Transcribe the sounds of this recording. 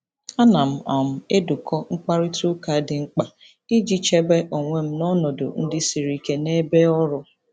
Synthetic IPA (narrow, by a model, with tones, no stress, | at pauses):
a˦na˨m̩˦a˨m̩˦e˦du˨kʰɔ˦ŋ͡m̩˦k͡pa˦ɾɪ˦tu˦ka˨˦dɪ˨ŋ͡m̩˦k͡pa˨ | i˦d͡ʒi˦t͡ʃe˦be˦ʔo˨ŋʷe˨m̩˦nɔ˦nɔ˨do̰˨n̩˦dɪ˦si˨ɾi˨ke˦ne˦be˦ɔ˦ɾʊ˦